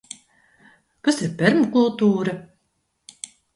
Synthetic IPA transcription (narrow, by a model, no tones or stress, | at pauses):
kasiɾpʲɛɾmkulˠt̪uːɾɐ